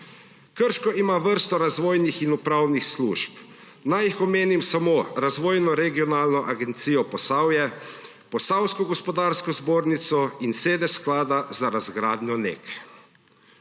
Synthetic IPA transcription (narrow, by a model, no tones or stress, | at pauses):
kəɾʃkɔʔimaʋəɾst̪ɔɾazʋoːjnixinupɾawnixslṵːʃp | najixɔmeːnimsamoɾazʋoːjnɔɾɛɡiɔnaːlnɔʔaɡɛnt̪siːjɔpɔsawjɛ | pɔsawskɔɡɔspɔd̪aːɾskɔzboːɾnit̪sɔinseːd̪ɛsklaːd̪azaɾazɡɾaːd̪nʲɔnḛːk